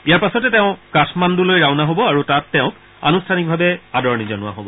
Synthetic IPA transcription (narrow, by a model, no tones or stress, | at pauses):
ijaɹpasɔtɛtɛʊ̃katʰmandulojɹaʊnaɦobɔaɹutatːɛʊ̃k | a̰nustʰanik̚bʱabɛadɔɹnizɔnʊwa̰ɦobɔ